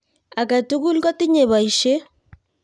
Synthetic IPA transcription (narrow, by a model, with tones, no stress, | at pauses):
a˨ka˨tu˦ɣu˦lkɔ˦ti˦ɲe˨βa˨i˨ʃe˦